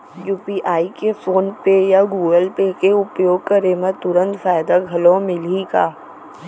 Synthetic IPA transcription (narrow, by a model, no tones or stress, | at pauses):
juːpiːʔaːikefoːnpejaɡuːɡəlpekeʊpjoːɡ̚kɐɾemə̃t̪ʊɾə̃nt̪faːjd̪aɡʱɐlõmɪliɡaː